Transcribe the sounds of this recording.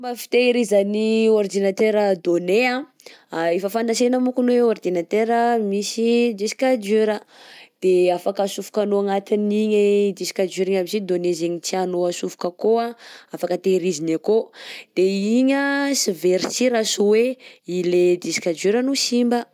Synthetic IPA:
mbafi̥t̪eɾizanioɾd̪inat̪eɾəd̪oneã | efəfand̪asenəmukunweoɾd̪inat̪eɾəmisid͡ʒ̪isi̥kad͡ʒyɾəd̪̥eafakəsufu̥kanoaŋat̪iniɲəd͡ʒ̪isi̥kad͡ʒuɾiɲabisid̪onezeɲit͡sianoəsufu̥kəkoaafakət̪eɾizinakod̪̥eiɲəsiveɾit͡siɾasuweiled̪isi̥kad͡ʒuɾənusimbə

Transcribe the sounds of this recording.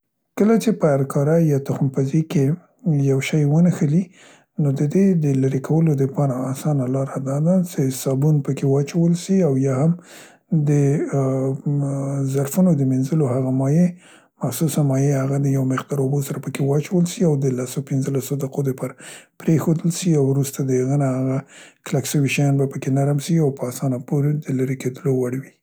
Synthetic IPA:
kəlat͡ʃepəaɾkʰɑɾajɑt̪ʊxmpazike | jawʃɑjwənəxəli | nod̪əd̪ed̪əlaɾikʰawəlod̪əpɑɾaːsɑnalɑɾad̪ɑd̪at͡ʃesɑbunpəkewɑt͡ʃawəlʃiawjɑham | d̪ə | zaɾfunod̪əmenzəlohaɣamɑje | maxsusanmɑjehaɣad̪əjawmɪqd̪ɑɾobosaɾapəkewɑt͡ʃawəlsiawd̪əlasopɪnzəlasod̪əqod̪əpɑɾapɾexod̪əlʃiawɾust̪ad̪əhaɣənahaɣaklakʃəwiʃajɑnbapəkenaɾamʃiawpəɑsɑnapoɾed̪əlaɾeked̪əlowaɽwi

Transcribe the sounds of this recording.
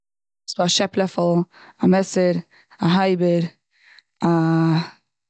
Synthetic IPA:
sbaaʃɛplˠɛflˠamɛsəɾ | aɦaɪbəɾ | a

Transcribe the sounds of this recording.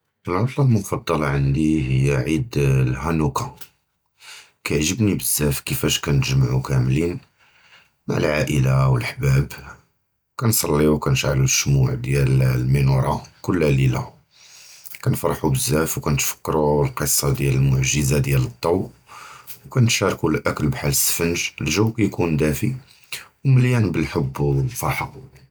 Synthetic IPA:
ʔəlʕʊt̪ˤlɑlmʊfɑd̪ˤːɑlɑʕənd̪ihəjːæʕid̪lhænuka | kæjʕʒəbnibəzːæfkəfæʃkænt̪ʒmʕukæmlin | maʕə̰lʕaʔəlawəlħbæb | kænsˤɑlːiwkænt̪ʕa̰luʃːmuʕd̪jællminuɾˤɑkʊlːælilæ̰ | kænfɑɾˤħubəzːæfwkænt̪fə̥kːɾulqəsˤːɑd̪jæləlmʊʕʒəzad̪jælət̪ˤːɑw | wkænt̪ʃɑɾˤkulʔækəlbħalːəsːə̥fənʒəlʒəwːkæjkund̪æfi | wməljænbəlħəbːfɑɾˤħɑ

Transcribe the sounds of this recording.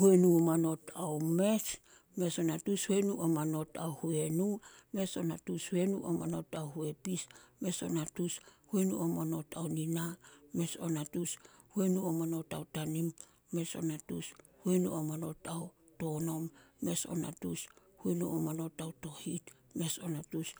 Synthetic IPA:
huenuomano̞taome̞s | me̞so̞natushuenuʔomano̞tawhue̞nume̞so̞natushue̞nṵʔo̰mano̞tawhue̞pisme̞so̞̰natushuenṵomano̞tʰaoniname̞sonatushuenuomano̞tawtanimː | e̞so̞̰natushuenṵomano̞tao | to̞no̞mːe̞so̞̰na̰tus | huenṵomano̞tawto̞hit | me̞so̞natus

